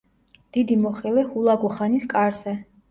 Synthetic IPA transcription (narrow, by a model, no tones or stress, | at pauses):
d̪̥id̪imɔχɛlɛhulˠaɡuχaniskʼaɾzɛ